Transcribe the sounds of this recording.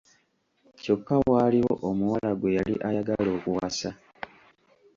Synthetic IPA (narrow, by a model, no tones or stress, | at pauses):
co̞kːawaːliwo̰ʔomuwalaɡwejalḭʔajaɡalo̞ːkuwasa